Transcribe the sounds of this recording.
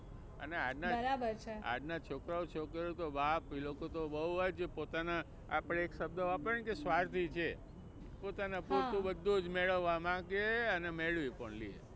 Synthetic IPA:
ə̰neaɖnabəɾabəɾt͡ʃʰea̰ɖnat͡ʃʰokɾaot͡ʃʰokəɾot̪obapilokot̪obəɦuɦajt͡ʃʰepot̪ana | a̰pɽ̃eːkʃəb̚d̪əʋapəɾɳkesʋaɾt̪ʰit͡ʃʰe | pot̪anaput̪ũbəd̪ʱːod͡ʒmeɭəʋːamãɡeənemeɭʋipəɳliḛ

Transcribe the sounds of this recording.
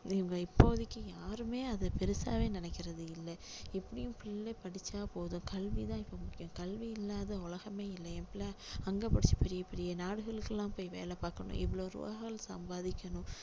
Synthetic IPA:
ɪʋɐŋɡɐɪpːoːðɪkːɯjaːɾɯmeːɐðɐpɛɾɯsa̰ːʋeːnɪnɛkːɪɾɐðɯɪlːɛɛpːɐɽɪjʊ̃pɪllepɐɽɪt͡ʃːaːpoːðʊ̃kɐlʋit̪ãːɪpːomʊkɪjʊ̃kɐlʋiɪlːaːðɐʊlɐɣɐmeːɪlːɐɛpɪlɐɐŋɡɐpɐɽɪt͡ʃːipɛɾɪjɐpɛɾɪjɐnaːɽɯɣɐɭɯkːɛlːãːmpoːjʋḛːlɛpaːkɐɳʊ̰̃ʔɪ̰ʋɪɭoːɾʊ̰ʋa̰ɣɐɐɭsɐ̰mbaːðɪkʲːɐɳʊ̃

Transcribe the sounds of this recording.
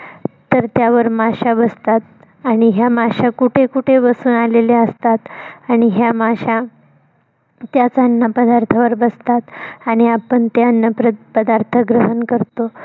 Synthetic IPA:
t̪əɾt̪jaʋəɾmaɕabəst̪at̪̚ | aɽ̃iɦjamaɕakuʈʰekuʈʰeʋəsuːnaleleəst̪at̪aɽ̃iɦjamaɕa | t̪jat͡saənːəpəd̪aɾt̪ʰəʋəɾbəst̪at̪aɽ̃iapəɳt̪eənːəpɾəpəd̪aɾt̪ʰəɡɾəɦənkəɾt̪o

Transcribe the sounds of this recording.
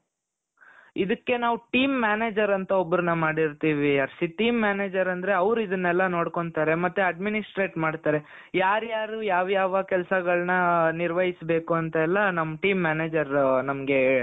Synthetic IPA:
id̪ɐkːe̞naːʋuʈiːmːaːneːd͡ʒɐɾɐnt̪ɐobːɾunɐmaːɽiɾt̪iːʋiɐɾsiʈiːmːaːneːd͡ʒɐɾɐnd̪ɐɾe̞ɐʋɾuid̪ɐnːɛlːɐno̞ːɽko̞ɳt̪aːɾe̞mɐt̪ːuɐɖminisʈɾe̞ːʈmaːɖt̪aːɾe̞ | jaːɾjaːɾujaːʋjaːʋɐkɛlsɐɡɐɭɐnɐniɾʋɐjisbeːkuɐnt̪ɐɛlːɐnɐmːɐʈiːmːaːneːd͡ʒɐɾnɐmɐɡe̞

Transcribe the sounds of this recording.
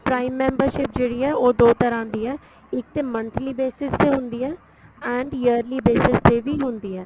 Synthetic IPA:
pɾaːɪmːɛ̃ːmbəɾʃɪp̚d͡ʒeːɽiːɛːoːd̪oːt̪əɾãːd̪iːɛː | ɪk̚t̪eːmə̃nt̪ʰliːbeːsɪst̪eːɦʊ̃nd̪iːɛː | ɛ̃ːɳɖjəːɾliːbeːsɪst̪eːʋiːɦʊnd̪iːɛː

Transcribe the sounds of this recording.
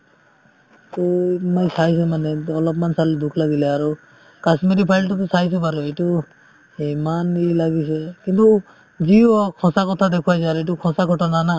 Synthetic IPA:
t̪ɔmaj̃sajs̬emanɛɔlɔp̬mansaled̪ukʰlaɡilɛaɾu | kasmeɾipʰajlʈɔt̪̬ɔsajs̬ɔpaɾɔeʈu | emanilaɡisekint̪u | d͡ʒiɔkʰɔ̃sakɔt̪ʰad̪ekʰuajsaɾeʈukʰɔ̃sakʰɔʈɔnana

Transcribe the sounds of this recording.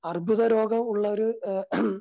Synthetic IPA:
ɐrbʱuðɐɾo̞ːɡɐmuɭːɐoɾu

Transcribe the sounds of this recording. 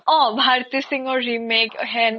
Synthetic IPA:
ɔːbʱaːɾt̪isɪ̃ŋɡɔɾɾimeːkɦɛn

